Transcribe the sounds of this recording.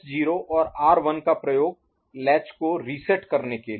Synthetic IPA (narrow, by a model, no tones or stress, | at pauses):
d͡ʒiːɾoʔɔːɾaːɾʋɐnkapɾɐjoːɡ̚ | lɛːt͡ʃkoɾiːsɛʈkɐɾneke